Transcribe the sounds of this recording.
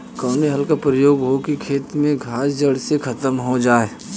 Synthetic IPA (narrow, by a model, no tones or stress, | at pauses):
kɔːniɦɐlkapɾəjoːɡɦokikʰeːt̪mẽɡʱaːsd͡ʒəɽsekʰɐt̪əmɦod͡ʒaːe